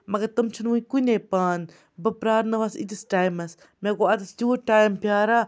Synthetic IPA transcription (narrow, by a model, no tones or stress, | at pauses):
mɐɡɐɾt̪ɐmt͡ʃʰɐnʋuikuneːpaːn | bɐpɾaːɾnɐʋasḭt̪isʈaːjmɐs | meːkoɐt̪ɐsd͡ʒuːʈaːjmpʲaːɾaː